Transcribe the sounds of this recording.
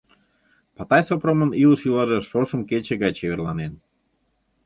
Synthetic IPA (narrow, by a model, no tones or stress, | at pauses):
pɑt̪ɑjsopɾoməniləʃilɑʒeʃoʃə̆mket͡ɕeɣɑjt͡ɕeβerlɑ̰nen